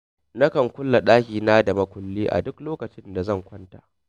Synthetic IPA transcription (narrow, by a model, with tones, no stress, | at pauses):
na˦kɐ˨ŋkʷʊ˦lːa˨ɗaː˦kʲiː˨naː˦da˨mɐ˦kʷʊ˨lːiː˦ʔa̰˨dʊ˦kloː˦kɐ˨t͡ʃɪ˦nda˨zɐ˦˨ŋkʷɐ˦nta̰˨ʔ